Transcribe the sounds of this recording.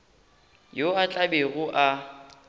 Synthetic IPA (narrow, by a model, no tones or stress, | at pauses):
joat͡ɬʼabeɣʊʔa